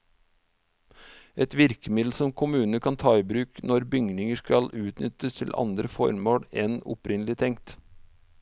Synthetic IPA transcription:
ʔɛt̪ʋɪɾkəmɪd̪l̩sɔmkʰʊmʉːnəkʰɑnt̪ʰɑːɪbɾʉːknɔɾbʏŋnɪŋəskɑlʉːt̪nʏt̪əst̪ʰɪlʔɑ̰nd̪ɾəfɔ̰ɾmoːɽɛnʊ̰pɾɪnəlɪt̪ʰɛŋkt̪

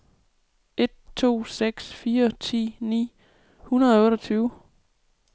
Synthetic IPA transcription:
e̝d̥̚t͡sʰo̝̰ːseɡ̥sfiːɐt͡sʰḭːnḭː | hunɐðˠɔ̽ːɾɒt͡sʰyːʊ

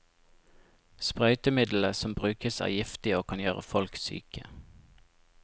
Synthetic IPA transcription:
spʁœʏt̪əmɪd̪l̩əsɔmbʁʉːkəsæ̰ːjɪft̪ɪoːkʰɑnjøːʁəfɔlksy̰ːkə

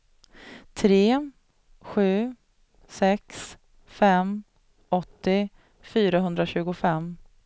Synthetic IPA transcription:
t̪ʰɾeː | ɧʉ̟ː | sɛks | fɛm | ɔt̪ːɪ | fyːɾaɦɵnd̪ɾaɕʉ̟ːɡʊfɛmː

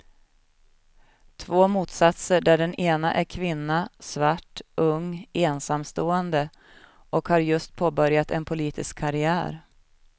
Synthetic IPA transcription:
t̪ʰvoːmuːt̪sat̪səɖæɖɛneːnaʔæɾkʰvɪnːasvaʈːʔɵŋeːnsamst̪oːɛnd̪ə | ʔɔkhaɾjɵst̪̚pʰoːbœɾjat̪ɛnpʰʊliːt̪ʰɪskʰːaɾɪæ̰ːɾ

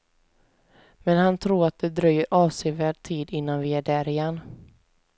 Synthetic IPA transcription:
mɛnhant̪ʰɾuːɾat̪̚d̪ɛd̪ɾœjːəɾʔɑːvseːvæːɖ̚t̪ʰiːd̪ɪnːanvɪæɖæːɾɪjɛnː

